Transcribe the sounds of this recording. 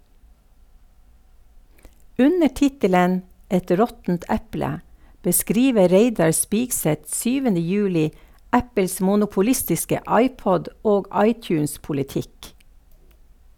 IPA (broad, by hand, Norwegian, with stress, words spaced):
ˈʉnə ˈtɪtələn ˈɛt ˈɾɔtn̩t ˈɛplə bəˈskɾiːʋə ˈɾeɪdɑɾ ˈspiːɡˌsɛt ˈʃyːʋənə ˈjʉːlɪ ˈæpəls mʊnʊpʊˈlɪstɪskə ˈɑɪˌpɔd ˈoːɡ ˈɑɪˌtjʉːnspʊlɪˌtɪk